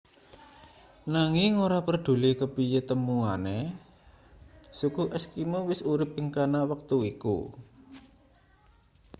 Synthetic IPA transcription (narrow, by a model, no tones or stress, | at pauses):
naŋɪŋoɾapərɖ̪̥ṳlikəpijet̪əmuane | sukuʔɛskimowɪsuɾɪp̚iŋkanawək̚t̪uikṵ